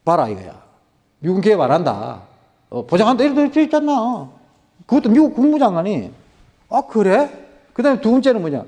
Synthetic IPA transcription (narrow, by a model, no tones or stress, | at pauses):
paɾaḭɡa̰ja̰ | miɡuk̬epaɾanda̰ | pod͡ʑaŋand̪aiɾɯd̪ot͡ɕeit͡ɕ͈anːao | kɯɡʌt̪͈ːomjiukuŋmud͡ʑaŋani | akɯɾe | kɯd̪amet̪uunt͡ɕenɯnmoɲa̰